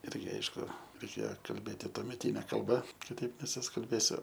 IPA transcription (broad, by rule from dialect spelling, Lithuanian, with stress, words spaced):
ˈɪrʲɡʲɪ ˈɐɪʃkʊ rʲɛɪˈkʲeːoː kɐlʲˈbʲeːtʲɪ tuɔmʲɛˈtʲiːnʲɛ kɐlˠˈbɐ kʲɪˈtɐɪp nʲɛsʊskɐlʲˈbʲeːsʲʊ